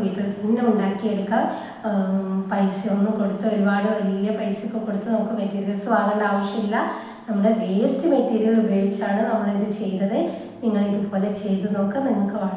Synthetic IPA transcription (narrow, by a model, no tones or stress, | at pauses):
it̪ːɐɾt̪ːinnːemunːaːkːieɽukːɐ | pɐjsɨjonːɨko̞ɽut̪ːɐo̞ɾubaːɽɨʋɐliːɐpɐjsɨkʲːɨko̞ɽut̪ːɐnɐmukːɨʋekːiɾsoːaːʋeɳɖeaːʋɐʂjɐmilːɐ | nɐmːɐɽedeːstɨmeʈːiːɾijɣɐɭubɐjoɡit͡ɕːaːɳɨnɐmːɐɭeðɨt͡ɕe̞jnɐðɨ | niŋːɐɭiðupo̞ːlet͡ɕe̞jt̪ːɨno̞ːkːɨnɐmːukːɨʋa